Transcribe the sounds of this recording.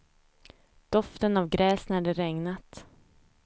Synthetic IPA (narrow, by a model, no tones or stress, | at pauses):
d̪̥ɔft̪ənavɡɾɛːsnæɖɛɾɛŋnat̪